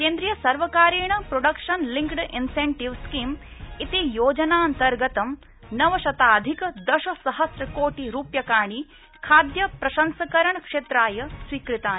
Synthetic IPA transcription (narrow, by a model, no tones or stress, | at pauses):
keːnd̪ɾijɐsɐɾʋɐkaːɾeːɳɐpɾoɖɐkʂɐnliŋkɖinseɳʈiʋskiːmit̪ijoːd͡ʒɐnaːɐnt̪ɐɾɡɐt̪ɐm | nɐʋɐʃɐt̪aːd̪ʱikɐd̪ɐʃɐsɐɦɐsɾɐkoːʈiɾuːpjɐkaːɳ̃i | kʰaːd̪jɐpɾɐʃɐnsɐkɐɾɐɳkʂeːt̪ɾaːjɐsʋiːkɾit̪aːn